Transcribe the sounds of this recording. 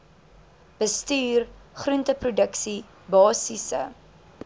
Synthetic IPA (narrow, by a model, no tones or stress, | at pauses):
b̥əstyːrχruntəprudəksi | bɑːsisə̰